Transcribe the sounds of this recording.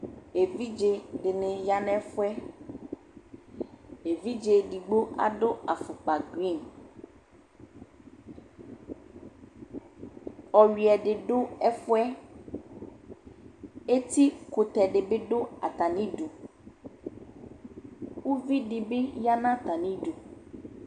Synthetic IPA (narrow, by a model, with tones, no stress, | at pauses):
e˨vi˦d͡ʒe˨ɖɪ˨nẽ˨ja˦nɛ̃˦fʊ˦ɛ˦ | e˨vi˦d͡ʒe˨ɖi˨ɡ͡bo˦a̰˨ɖʊ˦a˨fʊ˨k͡pa˨ɡɾi˦˨n | ɔ˨ɥi˨ɛ˨ɖɪ˨ɖʊ˦ɛ˦fʊ˦ɛ˦ | e˦t̪i˦kʊ˨t̪ɛ˨ɖe˨be˦ɖʊ˦a̰˨t̪a˨nĩ˦ɖu˨ | wu˦vi˦ɖi˨be˦ja˦nã˦t̪a˨nĩ˦ɖu˨